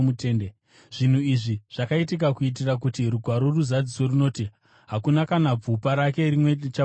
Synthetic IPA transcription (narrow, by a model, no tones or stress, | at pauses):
mute̞ːnde | ʐ̥in̤uiʐiʐ̥akaitik̬akuit̬irak̬utiɾuɡʱwaɾo̞ruzad͡ziso̞runo̞ːti | ɦakunakanab͡vupaɾake̞rimwe̞t͡ʃa